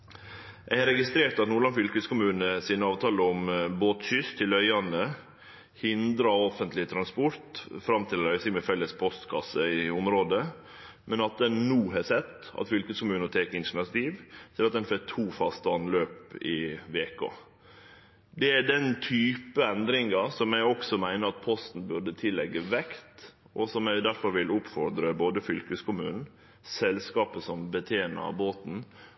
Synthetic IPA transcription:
jʔæɪhɑɾɛɡɪst̪ɾeːɾt̪ɑt̪nuːɾɭɑnfʏlkəskʊmʉːnəsiːnəɑːʋt̪ʰɑːləɔmboːt̪ʃʏst̪ʰɪlœʏɑnə | hɪnd̪ɾɑɔfənt̪lɪət̪ʰɾɑnspɔɾt̪fɾɑmt̪ʰɪlœʏsɪŋmɛfɛlːəspʰɔst̪kʰɑsːəɪʊmɾoːd̪ə | mɛnɑt̪̚d̪ɛnːuːɦɛsɛt̪ːɑ̰t̪fʏlkəskʊmʉːnət̪ʰɛːkəɪnʂɳɑt̪iːʋt̪ʰɪlɑt̪̚d̪ɛnfɛk̚t̪ʰuːfɑst̪əɑnløːpɪʋeːko̰ | d̪ɛæɖ̪ɛnt̪ʰyːpəɛnd̪ɾɪŋɑsɔmæɔksɔmæɪnəɾɑt̪̚pʰɔst̪n̩bʉɖət̪ʰɪlːɛɡːəʋɛkt̪ | ʔɔsɔmæɪd̪æɾfɔɾʋɪlʊpfɔɾd̪ɾəboːd̪əfʏlkʉskʊmʉ̰ːnn̩ | sɛlskɑːpəsɔmbət̪ʰeːnə̰boːt̪n̩

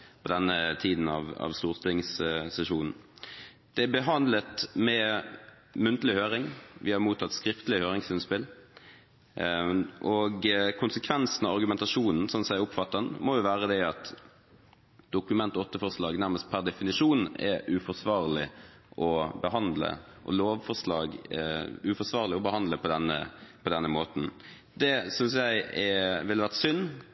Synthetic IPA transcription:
pʰɔd̪ɛnːət̪ʰiːd̪n̩ɑ̰ʋɑ̰ʋst̪uːʁt̪ʰɪŋssɛʂuːnn̩ | d̪̥ɛæbəɦɑnd̪lət̪mɛ | mʉnt̪əlɪhøːɾɪŋʋɪhɑɾmuːt̪ʰɑt̪ːskɾɪft̪əlɪhøːɾɪŋsɪnspɪl | ʔɔɡkʰʊnsəkʰʋɛnsn̩ɑʋɑɾɡʉmɛnt̪ɑʂuːnn̩sɔnsæɪʊpfɑt̪ːɑnmɔjʊʋæːʁəd̪ɛɑt̪ | d̪ʊkʉmɛnt̪ɔt̪ːəfɔʁslɑːɡnæʁməst̪̚pʰæɾd̪ɛfɪnɪʂuːnɛ̰ʔʉfɔsʋɑːɾlɪʔɔbəɦɑnd̪lə̰ʔɔ̰loːʋfɔɾʂlɑːɡ | ʉfɔsʋɑːʁlɪɔbəhɑnd̪ləpʰɔd̪ɛnːə̰pʰɔd̪ɛnːəmoːt̪n̩ | d̪ɛsʏnsjæɪɛʋɪlːəʋæʁt̪sʏnː

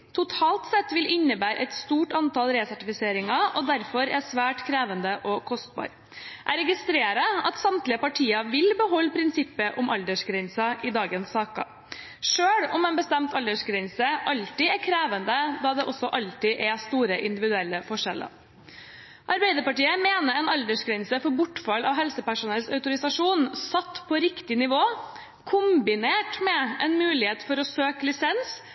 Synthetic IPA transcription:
t̪ʰʊt̪ʰɑːlt̪sɛt̪ːʋɪlɪnːəbæːɾʔɛ̰ɪt̪st̪uːʈɑnt̪ɑlɾeːsæʈɪfɪseːɾɪŋɑʔɔd̪æɾfɔɾɛsʋæːʈkʰɾeːʋənd̪əʔɔkʰɔst̪̚bɑ̰ːɾ | ʔæɾɛɡɪst̪ɾeːɾɑɑt̪sɑmt̪lɪəpɑʈʰiːɑʋɪlbəɦɔlːpʰɾɪnsɪpːəʔʊmʔɑld̪əʂɡɾɛnsɑʔɪd̪ɑːɡənsːɑːkɑ̰ | ʂøːɽʊmeːnbəst̪ɛmt̪ɑld̪əʂɡɾɛnsəʔɑlt̪ɪɛɾkʰɾeːʋənd̪əd̪ɑːd̪ɛʔɔsːɔʔɑlt̪ɪʔɛst̪uːɾəʔɪnd̪ɪʋɪd̪ʉɛlːəfɔʂɛlːə̰ | ʔɑɾbæɪd̪əɾpɑʈiːəmeːnəɾɛnɑld̪əʂɡɾɛnsəfɔɾbʊʈːfɑlɑʋɦɛlsəpæʂʊnɛlsœʉt̪ʊɾɪsɑʂuːnsɑt̪ːpʰɔɾɪkt̪ɪnɪʋoː | kʰʊmbɪneːʈmɛʔɛnmʉːlɪheːt̪fɔɾɔsøːklɪsɛns

